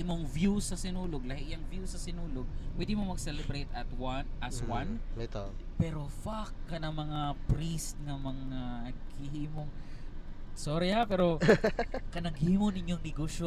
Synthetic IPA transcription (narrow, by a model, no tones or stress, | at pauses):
ʔɪmoŋvjusɐsɪnuːloɡ̚lahɪʔjɐŋvjusɐsɪnuːloɡ̚pwɛːd̪ɪmomɐɡsɛlɛbɾejt̪ɐt̪wanʔɐswan | pɛːɾo̞fakːɐnɐmɐŋapɾist̪̚ŋɐmɐŋaɡhɪhiːmoŋ | soːɾɪhapɛːɾo | kɐnɐɡhiːmonɪɲjoŋnɪɡoːʃo